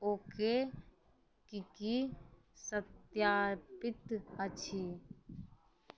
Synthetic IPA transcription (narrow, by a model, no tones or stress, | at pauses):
oːke | kiki | sət̪jaːɾpɪt̪ət͡ʃʰiː